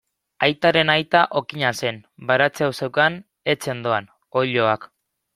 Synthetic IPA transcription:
ajt̪aɾe̞najt̪aʔo̞kiɲase̞nbaɾat͡seawse̞wkan | e̞t͡se̞nd̪o̞an | o̞ʎo̞ak

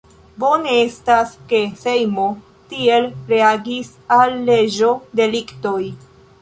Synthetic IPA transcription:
bo̞ne̞e̞staske̞sejmo | tie̞lɾe̞aɡis | alːe̞d͡ʒo̞de̞likto̞j

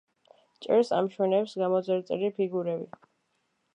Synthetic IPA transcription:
t͡ʃʼɛ̰ɾsa̰mʃwɛnɛpsɡamɔzɛɾt̪sʼɛɾipʰiɡuɾɛbi

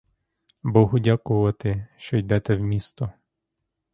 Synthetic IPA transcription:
bɔɦʊdʲakʊʋɐt̪ɪʃt͡ʃɔjd̪ɛt̪ɛwmʲist̪ɔ

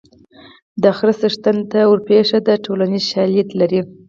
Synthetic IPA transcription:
d̪axɾasəʂt̪ant̪awəɾpeʂad̪əʈʰolanizʃɑljat̪laɾi

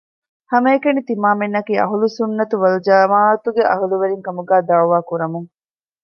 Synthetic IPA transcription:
hɐmɐekɐnit̪imaːmenːɐkiːɐ̰ɦulusunːɐt̪uʋɐld͡ʒɐmaːɐt̪uɡeʔɐ̰ɦuluʋɐɾiŋkɐmuɡæːd̪ɐuʋaːkuɾɐmuŋ

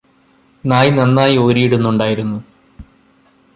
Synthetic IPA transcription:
naːjinɐnːaːjio̞ːɾijiɽunːuɳɖaːjiɾunːu

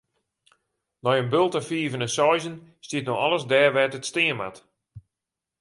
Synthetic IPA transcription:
nɔjənbølˠtəfiːvənəsɔjzənstiətnoxɔlˠəsdɛːrʋɛtətstɪəma̰t

